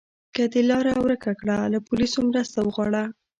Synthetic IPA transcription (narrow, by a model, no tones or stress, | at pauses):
kəd̪elɑɾawɾəkakɽalapʊlisomɾəst̪awəɣwɑɽa